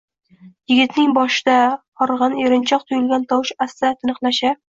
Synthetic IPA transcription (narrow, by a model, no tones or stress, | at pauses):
jɪ̆ɡʲɪt̪nɪŋbɒʃɪd̪aqɒɾʁɑneɾɪnt͡ʃʰɒq̚t̪ʰʊjɪlɡʲant̪ʰɒwʃasːat̪ʰɪnɨqlaʃa